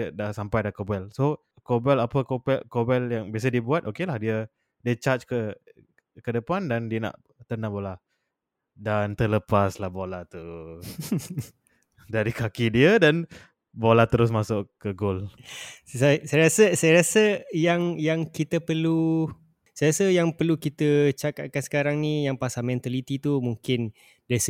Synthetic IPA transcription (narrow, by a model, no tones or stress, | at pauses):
dahsampajdakobɛlso | kobɛlapəkobɛkobɛljaŋbias̬ədiəbuat̪̚ʔokelahdiə | diət͡ʃat͡ʃkə | kədəpandandiənã̰ʔ | t̪ənãbola | dant̪ələpaslahbolat̪u | daɾikakidiədan | bolat̪əɾʊs̬masʊʔkəɡol | sasajɾasəsajəɾasəjaŋjaŋkit̪əpərlu | sajɾasəjaŋpərlukit̪ət͡ʃakaʔ̪̚kansə̥kaɾaŋnijaŋpasamɛ̃nt̪alit̪it̪umuŋkɪn | das